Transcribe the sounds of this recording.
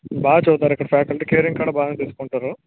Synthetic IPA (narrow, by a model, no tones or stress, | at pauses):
baːɡɐt͡ʃuːt̪aːɾikːɐɽɐfjaːkɐlʈɨkeːɾiŋkaːɽɐbaːɡɐnt̪iːsu̥koɳʈaːɾu